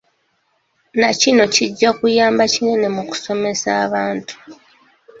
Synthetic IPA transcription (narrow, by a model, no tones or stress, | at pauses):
nacino̞ciɟːakujaːmbacine̞ne̞muku̥so̞me̞saːβaːntu̥